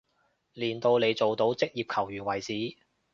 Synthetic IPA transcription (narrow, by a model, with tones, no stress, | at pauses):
liː˨˩nt̪o˧wle˨˧jt͡so˨wt̪o˨˥wt͡sɪ˥k̚jiː˨p̚kʰɐ˨˩wjyː˨˩nwɐ˨˩jt͡siː˨˥